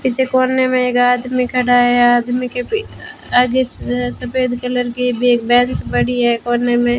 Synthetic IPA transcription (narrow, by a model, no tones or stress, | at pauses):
pɪt͡ʃʰekoːnːemẽeːkaːd̪mikɐɽaɦɛaːd̪mikei | aɡesɐpeːd̪kələɾkibʱieːk̚bɛ̃ːnt͡ʃbɐɽiɦɛkoːnːemẽ